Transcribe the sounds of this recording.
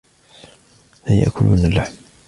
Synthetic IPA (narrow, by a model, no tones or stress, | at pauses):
laja̰ʔkʰʊlʊnalːaħm